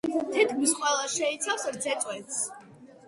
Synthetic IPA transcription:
t̪ʰɛt̪ʰɡusqʼwɛlˠasʃɛit̪sʰafsɾd̪zɛt̪ʼwɛt̪s

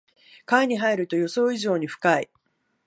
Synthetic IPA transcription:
kaiɲ̟iɦaiɾɯ̟t̪o̞jo̞so̞ːiʑo̞ːɲ̟iɸɯ̟̥kai

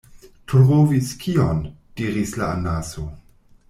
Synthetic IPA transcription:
tʰɾʁoviskʰion | d̥iɾislaanaso

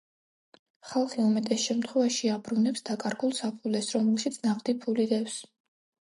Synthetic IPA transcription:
χalˠχiumɛt̪ʼɛsʃɛmt̪ʰχwɛvaʃiabɾunɛpsd̪akʼaɾɡulˠsapʰulɛsɾɔmɛlˠʃit̪sʰnaχd̪ipʰulid̪ɛfs

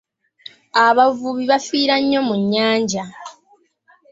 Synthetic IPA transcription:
aβavuβiβafiːɾaɲːo̞muɲːaːɲɟa

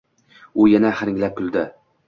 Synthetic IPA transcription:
ʊjanaχɪɾɪŋʲlap̚kʰʲʊlˠd̪ɪ

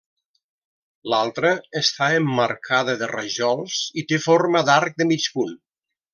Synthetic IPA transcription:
lalˠt̪ɾəːst̪aəmːəɾkʰaðəðərə̰ʒɔlˠz̥it̪efoɾməðaɾk̚d̪əmit͡ʃpun

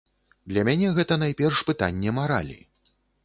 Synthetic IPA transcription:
d̪lʲɐmʲanʲɛɣɛt̪ɐn̪ajpʲɛrʂpɨt̪a̰nʲːɛmaɾa̰lʲḭ

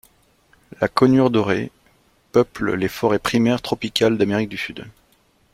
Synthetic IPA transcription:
lakɔnyʁd̪ɔʁe | pœpl̰lefɔʁɛpχimɛʁt̪χɔpikʲald̪ameʁik̚d̪ysyd̪

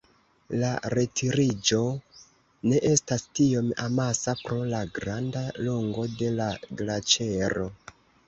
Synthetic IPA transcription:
laɾe̞tʰiɾid͡ʒo̞ | ne̞ʔe̞stastio̞mamasapɾo̞laɡɾandalo̞ŋɡo̞de̞laɡlat͡ʃe̞ɾo̞

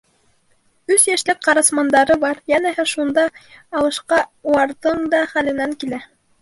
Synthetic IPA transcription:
ʉsjæʃlɘk̚qɑɾɑsmɑnd̪ɑɾɤbɑɾjænæɦɘʃund̪ɑːlˠɤ̆ʃqɑuɑɾðɤɴd̪ɑχælɘ̆næŋkilæ

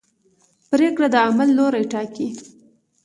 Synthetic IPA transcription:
pɾekɽad̪əamalːoɾajʈɑki

